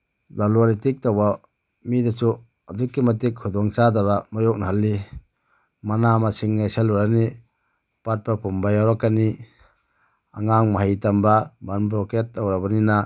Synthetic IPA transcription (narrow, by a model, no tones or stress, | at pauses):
baluaɾitik̚tawba | midasu | adukːimatikʰudɔŋt͡ʃadaβamajɔk̚naɦalːi | manamasiŋneseluɾani | pat̚papumbajawɾakani | a̰ŋaŋmaɦajtambabanbɾɔketːawɾabanina